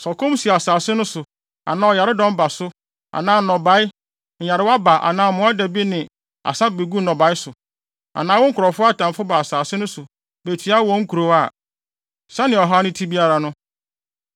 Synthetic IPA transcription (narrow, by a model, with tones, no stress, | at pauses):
sɔ˨kʰʊ̃˦m˦si˨a˨saː˨sɪ˦nʊ̃˦sʊ˨ | a̰˨nãː˦ɔ˨ja˨ɾɪ˦dɔ̃˦m˦ba˨sʊ˦ | a̰˨nãː˦˨nɔ̃˨ba˨˦ɪ˦ | ɲ̩˨ja˨ɾɪ˦wa˦ba˨ʔa̰˨nãː˦˨mʊ̃˨˦a˦dɛ˨bi˦nɪ̃˨ | a̰˨sã˦be˨ɡu˦nɔ̃˨ba˨˦ɪ˦sʊ˨ | a̰˨nãː˨˦wɔ˦ŋ̩˦kʰɾɔ˨fʊ˦a˦tã˨m˨fʊ˦ba˨a˨saː˨sɪ˦nʊ̃˦sʊ˨ | be˨tʰi˨a˦wɔ̃˨˦ŋ̩˦kʰu˨ɾo˨a˦˨ | sɛ˦nɪ̃˨ɔ˨ɦa˦nɪ̃˦tʰi˦bi˦a˦ɾa˨nʊ̃˦